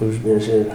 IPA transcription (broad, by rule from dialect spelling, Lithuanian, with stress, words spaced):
ˈʊʒʲmʲeːʒʲɛ ɪr